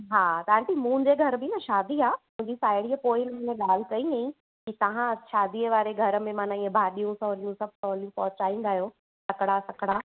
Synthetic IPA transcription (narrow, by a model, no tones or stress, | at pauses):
ɦaːt̪ɐʋãɳʈimũːd͡ʑeɡʱɐɾbɪnɐʃaːd̪ʱiaːm̤ʊ̃ːɲd͡ʑisaːɪɽipoːɪnɐ̃ɪ̃nẽɠaːl̤ɪkɐĩaĩ | kit̪ɐʋ̤ãʃaːd̪ʱiəʋaːɾeɡʱɐɾə̆mẽmaːnãiːə̃bʱaːɗijũsɐɦlijũsɐb̚ʱsɔɦlijũpɔːt͡ɕaːĩnd̪aːjoː | sɐkɽasɐkɽa